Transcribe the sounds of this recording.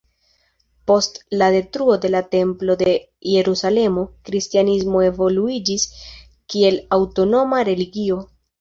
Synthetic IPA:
po̞stlade̞tɾuo̞de̞late̞mplo̞de̞ | je̞ɾusale̞mo̞kɾistianizmo̞e̞vo̞luid͡ʒis | kie̞lawto̞no̞maɾe̞liɡio̞

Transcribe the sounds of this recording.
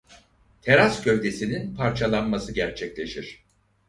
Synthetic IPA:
t̪ʰe̞ɾascʰø̞vd̪e̞sininpʰaɾt͡ʃʰalˠanmasɯɟæɾt͡ʃʰɛclʲe̞ʃiɾ̝̥

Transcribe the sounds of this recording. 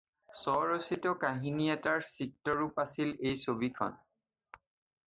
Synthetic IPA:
sɔɹositɔkaɦiniɛtaɹsik̚tɔɹupasilejsobikʰɔ̰n

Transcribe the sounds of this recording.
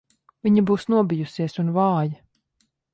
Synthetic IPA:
viɲabuːsnuɔbijusiɛsunvɑːjɐ

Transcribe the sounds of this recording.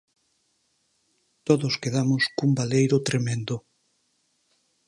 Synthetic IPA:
t̪oðʊskeðamʊskumbalejɾʊt̪ɾemẽnd̪ʊ

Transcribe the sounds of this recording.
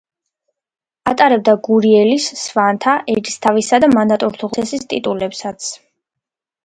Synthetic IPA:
at̪ʼaɾɛb̚d̪aɡuɾiɛlisːvant̪ʰaʔɛd̪ist̪ʰavisad̪amand̪at̪ʼuɾt̪ʰuʁʰɛsist̪ʼḭt̪ʼulɛpsat̪sʰ

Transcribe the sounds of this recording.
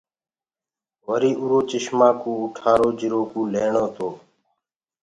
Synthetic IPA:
ʋəɾiːʔuɾoːt͡ʃɪʃmãːkũːʊʈʰaːɾoːd͡ʒɪɾoːkũːleːɳoːt̪ʰoː

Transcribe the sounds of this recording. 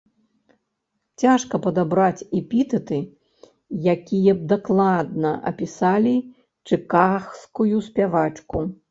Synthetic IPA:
t͡sʲaʂkɐpɐd̪abɾat͡sʲipʲit̪ɐt̪ɨ | jakʲijɐb̚d̪aklˠad̪̚nɐʔɐ̰pʲisalʲi | t͡ʂɨkaxskujusʲpʲavat͡ʂku

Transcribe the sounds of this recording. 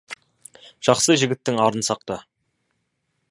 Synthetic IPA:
ʒ̥ɑχsəʒɪɡʲɪt̪ːɪŋɑɾənsɑq̚t̪ə

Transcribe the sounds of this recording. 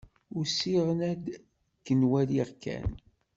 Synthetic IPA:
ʊɾsiʁənæd̪ | kːənwæliʁkʰæ̰n

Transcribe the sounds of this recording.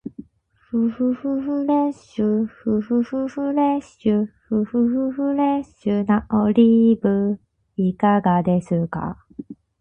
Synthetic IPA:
ɸɯɸɯɸɯɸɯɾeɕɯɸɯɸɯɸɯɸɯɾeɕɯɸɯɸɯɸɯɸɯɾeɕɨnaʔoɾʲibɯ | ikaɡad̪e̞sɨka̰

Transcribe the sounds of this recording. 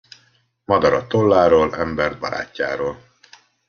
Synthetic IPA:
mɒd̪ɒɾɒt̪olːaːɾoːlɛmbɛrd̪̚bɒɾa̰ːcːa̰ːɾoːl

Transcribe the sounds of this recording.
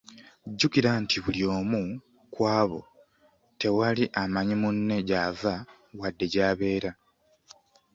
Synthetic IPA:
ɟːukiɾantʰiβuljo̞ːmu | kwaːβo̞̰ | te̞waliʔamaɲimunːe̞ɟaːva | wadːe̞ɟaːβe̞ːɾa

